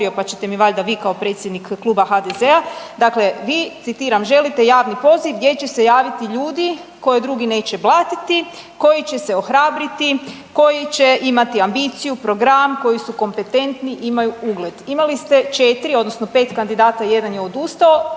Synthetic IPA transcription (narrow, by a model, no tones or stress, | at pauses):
iopat͡ɕet̪e̞miʋaʎd̪aʋikao̞pɾe̞t̪sjed̪nikːlˠuːbaxad̪e̞ze̞ad̪akle̞ʋiːt̪sit̪iːɾamʒe̞lit̪e̞jaːʋnipo̞ziʋɡdje̞t͡ɕe̞se̞jaːʋit̪iʎuːd̪iko̞jed̪ɾuɡine̞ːt͡ɕe̞blˠaːt̪it̪i | ko̞jit͡ɕe̞se̞o̞xɾaːbɾit̪i | ko̞jit͡ɕe̞ʔimat̪iambit̪sijupɾo̞ɡɾamko̞jisuko̞mpe̞t̪e̞nt̪niʔimajuuɡle̞d̪imalist̪e̞t͡ʃet̪iɾio̞d̪nosno̞pe̞ːt̪kand̪id̪aːt̪aje̞d̪anjeo̞d̪ust̪ao̞